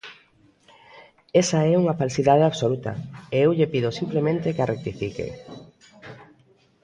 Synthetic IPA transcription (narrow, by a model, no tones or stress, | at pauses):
esaɛuŋafalsiðað̞eaβsolut̪ɐ̰eewʎepiðosimplemẽnt̪ekarʔek̚t̪ifikḛ